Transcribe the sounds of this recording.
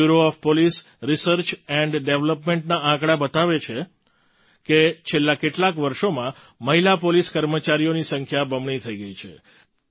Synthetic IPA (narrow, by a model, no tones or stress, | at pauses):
uɾoɔfpolis | ɾisəɾt͡ʃɛɳɖɖeʋləpmẽɳʈnaãkɽabət̪aʋet͡ʃʰe | ket͡ʃʰelːakeʈlakʋəɾʃomã | məɦilapoliskəɾmət͡ʃaɾijonisəŋkʰjabʱəmɳit̪ʰəiɡəit͡ʃʰḛ